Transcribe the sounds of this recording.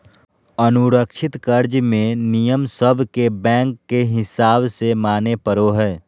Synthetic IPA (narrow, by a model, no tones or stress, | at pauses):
ɐnʊɾəkʃɪt̪kɐɾd͡ʒmẽnijəmsəbʱkebɛ̃ːŋkːeɦɪsaːbsemaːnepəɾoɦɛː